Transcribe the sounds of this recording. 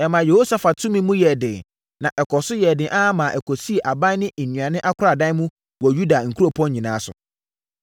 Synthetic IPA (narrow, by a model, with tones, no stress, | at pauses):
ɛ˨mã˨je˨ho˦sa˨fa˨tʰũ˦mĩ˦mũ˦jɛ˨dɪ̃˨ | nã˨ʔɛ˨kʰɔ˨sʊ˦jɛ˨dɪ̃˨ʔa˦mã˨ʔɛ˨kʰɔ˨si˦e˨ʔa˨bã˦nɪ̃˦ʔe˨nɥ̃ã˨nɪ̃˦ʔa˦kʰʷʊ˦ɾa˨dã˦mũ˦ | wɔ˨ju˦da˨ŋ̩˨kʰu˦ɾo˨pʰɔ̃˦ɲ˦ɲĩ˨nãː˨˦sʊ̰˨